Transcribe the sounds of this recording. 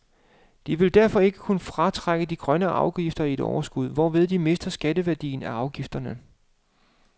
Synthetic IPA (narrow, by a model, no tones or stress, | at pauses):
d̥iʋe̝ld̥æɐfɒ̽e̝ɡ̥əkʰunəfʁɑ̈t͡sʰʁaɡ̥əd̥iɡ̥ʁɶnəʔɑ̈ʊɡ̥ifd̥ɐie̝d̥ɒ̰ʊɐsɡ̥uð̞ˠʋɒʋe̝ð̞ˠd̥ime̝sd̥ɐsɡ̥ædəʋæɐd̥ḭːnæɑ̈ʊɡ̥ifd̥ɐnə